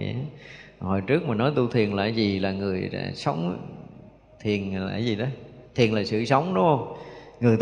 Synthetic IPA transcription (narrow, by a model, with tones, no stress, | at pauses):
ɛ̰˧˩˦ho˨˩jt͡ɕɨ˦˥ək̚maː˨˩nɔ˨˦jt̪u˧t̪ʰi˨˩ənla̰ː˧˩zi˨˩laː˨˩ŋɨ˨˩əja̰˧˩sə˨˦wŋ͡m | t̪ʰi˨˩ənla̰ː˧˦jzi˨˩ɗɔ˨˦t̪ʰi˨˩ənlaː˨˩sɨ̰˧˨sə˨˦wŋ͡mɗʊ˨˦ŋ͡mhə˧wŋ͡mŋɨ˨˩əjt̪